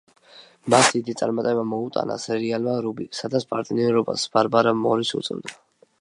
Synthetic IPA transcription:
masd̪id̪it̪sʼaɾmat̪ʼɛbamɔut̪ʼa̰na̰sɛɾialmaɾubisad̪at̪spʼaɾt̪ʼniɔɾɔba̰sb̥aɾbaɾamɔɾisṵt̪sʼɛ̰vd̪a

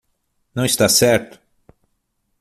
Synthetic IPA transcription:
nɐ̃w̃ist̪asɛɾt̪ʊ̥

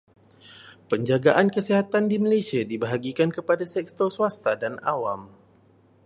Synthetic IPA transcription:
pəɲd͡ʒaɡaʔankəsiɦat̪andimalesiadibaɦaɡikankəpadasɛkt̪ɔsuast̪adana̰wam

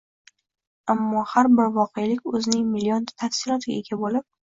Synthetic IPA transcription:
amːɒhaɾbɪɾvɒqejalɪkʲɵznɪŋmɪlijont̪ʰafsɪlˠɒt̪ʰɪɡʲa̰eɡʲabolɪp̚

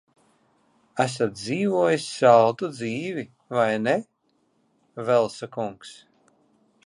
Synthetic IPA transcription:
æs̬at̪̚d̪ziːvuɔjisʲːalˠd̪ud̪ziːvi | vajne | vɛlˠsakuŋks

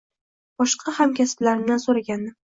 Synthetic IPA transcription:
b̥ɒʃqʰɑhamkʲʰasɪ̥blaɾɪmd̪ansoɾaɡʲanːɪ

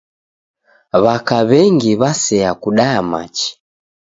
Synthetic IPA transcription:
βakaβɛŋɡiβasɛakuɗajama̰t͡ʃi̥

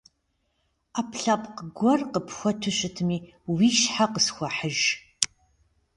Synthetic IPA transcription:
aːpɬɐpʼqəɡʷɔrqəpxʷɔtʰʊɕʼɪtʰɨmiː | wiːʃħaqəsxʷɔħəʒ

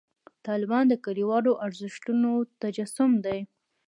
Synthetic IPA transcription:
t̪ɑlɪbɑnd̪əkaɾiwɑɽoʔaɾzɪʃʈunot̪ad͡ʒasʊmd̪aj

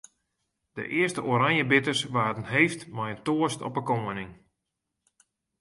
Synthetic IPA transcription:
d̥ə̰ʔɪərstəʔoɾaŋjəbɪtərsʋaːdənɦejftmɛjəntoəstɔ̰pəkoːənɪŋ

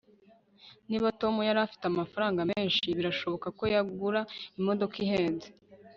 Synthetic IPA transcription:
niːβato̞mujaɾafi̥teamafaɾaːŋɡameːnʃiβiɾaʃo̞βo̞kako̞jaɡuɾaimo̞do̞kiɦeːnze

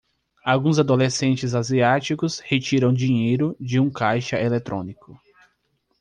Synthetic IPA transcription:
awɡũzad̪olesẽnt͡ʃɪzaziat͡ʃikʊshet͡ʃiɾɐ̃w̃d͡ʒĩɲejɾʊd͡ʒɪũkajʃɐʔelet̪ɾʔõ̰nikʊ

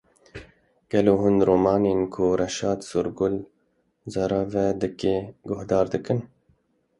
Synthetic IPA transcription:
ɡ̥ɐloːɦʊnd̪ɾoːmɑːneːnkʰʊɾɐʃɑːt̪suɾɡʊl | zɐɾɑvɛd̪ɨkeɡʊhd̪ɑːɾd̪ɨkɨn

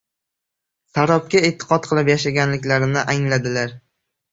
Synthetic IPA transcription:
saɾɒp̚kʲaet̪ʰːɨ̥qʰɒt̪̚qʰɨlˠɪpjaʃaɡʲanlɪkʲlaɾɪnɪʔaŋlad̪ɪlaɾ

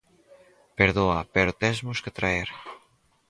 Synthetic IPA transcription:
peɾðoɐpeɾot̪ɛzmʊsket̪ɾaeɾ

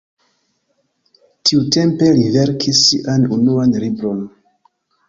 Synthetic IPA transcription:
tʰiute̞mpe̞live̞ɾkʰisːiʔanunuanlibɾo̞n

